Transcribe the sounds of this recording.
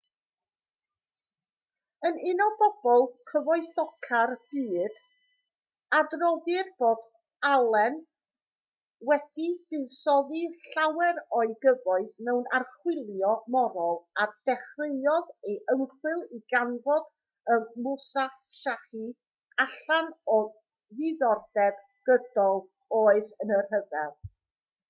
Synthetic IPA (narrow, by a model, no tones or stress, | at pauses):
ənɪnɔbɔb̥ɔlˠkʰəvɔɨθɔkʰarb̥iːd̥ | adrɔðɨrb̥oːd | alˠɛn | wɛd̥ib̥ɨðsɔðiɬawɛɾɔɨɡəvɔɨθnɛwnarχwɪlˠjɔmɔɾɔlˠad̥ɛχreɨɔðejʔəŋχwɨlˠiɡanvɔd | əmʊsaχ | ʃaχi | aɬanɔ | ðɨðɔrd̥ɛb | ɡ̥ədɔlˠ | oːɨsənərɦəvɛlˠ